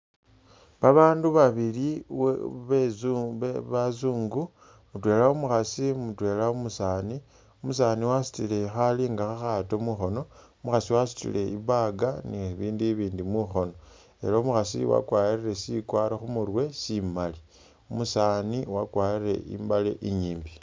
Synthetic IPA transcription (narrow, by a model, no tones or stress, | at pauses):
βaβaːnduβaβiliwβezuβazuːŋɡu | mutwe̞ːlaomuxasimutwe̞ːlaomusaːni | omusaːniwasi̥tile̞xaliːŋɡaxaxatomuxo̞no̞omuxasiwasu̥tḭle̞iβaɡaniβiːndiβiːndimuxo̞no̞ | e̞̰laumuxasḭwa̰kwaːjirire̞sikwaːɾaxumurwesimali | omusaːniwakwaːjre̞̰ḭmbalḛʔiɲiːmbi